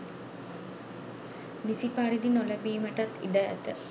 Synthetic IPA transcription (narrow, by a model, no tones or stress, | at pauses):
nisipaɾid̪inoləbiːməʈat̪ḭɖəæ̰t̪ə